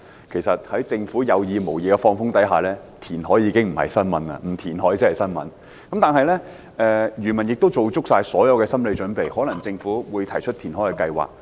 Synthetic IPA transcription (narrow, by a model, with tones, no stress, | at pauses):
kʰe˨˩jsɐ˨t̚hɐ˨˥jt͡sɪ˧ŋfuː˨˥jɐ˨˧wjiː˧mo˨˩wjiː˨kɛ˧fɔː˧ŋfʊ˥ŋt̪ɐ˨˥jɦaː˨lɛː˥ | t̪ʰiː˨˩nɦɔː˨˥jiː˨˧kɪ˥ŋm̩˨˩hɐ̰˨˩jsɐ˥nmɐ̰˨˥nɐ̰˧m̩˨˩t̪ʰiː˨˩nɦɔː˨˥jt͡sɪ˥hɐ˨jsɐ˥nmɐ̰˨˥n | kɐ˨˥mt̪aː˨nɦɐ˨jlɛ˥ | ʔɛː˧jyː˨˩mɐ˨˩njɪ˨k̚t̪o˥wt͡so˨wt͡sʊ˥k̚saː˧jsɔː˨˥jɐ˨˧wkɛː˧sɐ˥mle˨˧jt͡ʃɵ˨˥npe˨jhɔː˨˥lɐ˨˩ŋt͡sɪ˧ŋfuː˨˥wuː˨˧jt̪ʰɐ˨˩jt͡ʃʰɵ˥t̪̚ʰiː˨˩nhɔ˨˥jkɛ˧kɐ˧jwa̰ː˨k̚